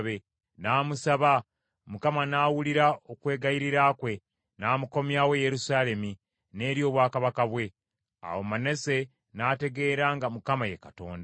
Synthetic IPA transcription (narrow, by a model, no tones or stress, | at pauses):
βe | naːmusaβa | mukamanaːwuliɾaokwe̞ːɡaiɾiɾaːkwe̞ | naːmuko̞mjaːweje̞ɾusaːle̞mi | ne̞ːɾjo̞ːβwaːkaβakaβwe̞ | a̰womane̞se̞ | naːte̞ɡe̞ːɾaːŋɡamukamajekato̞̰ːnda